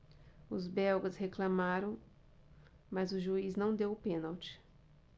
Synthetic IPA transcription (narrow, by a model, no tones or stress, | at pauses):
ʊzbɛwɡɐsheklɐmaɾɐ̃w̃ | mɐzʊʒuiznɐ̃w̃d̪ewpẽnawt͡ʃɪ̥